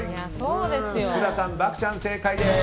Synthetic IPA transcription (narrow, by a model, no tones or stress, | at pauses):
soːd̪esjkɯɾasãmbakɯ̥t͡ɕãnseːkʰaja